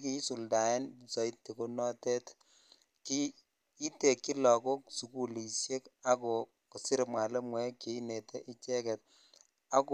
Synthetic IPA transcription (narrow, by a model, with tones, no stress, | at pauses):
ki˦su˨lda˨ɛ˦n˨sɔ˨i˦tːi˨ko˦nɔ˦te˦t | kiː˦ | te˨kːi˦lɔ˨ko˦ksu˨ku˨li˨sje˦ka˦ko˨ | ku˨sɪ˦ɾmwa˨le˦mwɛ˦ke˨i˦ne˨tʰe˦ʔi˦t͡ʃɛ˦kɛ˨t̚ | a˦k